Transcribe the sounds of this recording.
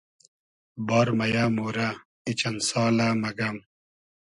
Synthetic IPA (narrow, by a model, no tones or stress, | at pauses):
baːɾmɐjaːmoːɾa | it͡ɕɐnsaːlaːmɐɡɐm